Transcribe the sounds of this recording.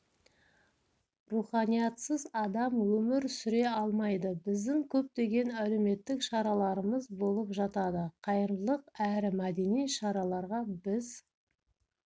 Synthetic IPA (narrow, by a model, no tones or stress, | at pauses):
ruχɑnijɑt̪səzɑd̪ɑmwɵmɪɾsʏɾe̞ɑlˠmɑjd̪əbɪzd̪ɪŋkʲʰɵp̚t̪e̞ɡʲe̞næle̞me̞t̪ːɪkʃɑɾɑlˠɑɾəməzbo̞lˠəpʒɑt̪ɑd̪əqʰɑjəɾlˠəqæɾɪmæd̪e̞nijʃɑɾɑlˠɑɾʁɑbɪz